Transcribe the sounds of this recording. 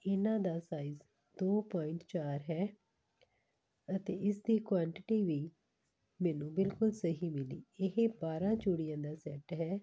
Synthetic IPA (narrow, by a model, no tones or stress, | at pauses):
ɪnãːd̪aːsaːiːz | d̪oːpaːɪɳʈt͡ʃaːɾɦɛː | ət̪eːɪsd̪iːkwaːɳʈɪʈiːʋiː | mɛːnũːbɪlkʊlsəɦiːmɪliːɪɦeːbaːɾãːt͡ʃoɽɪjãːd̪aːsɛːʈɦɛː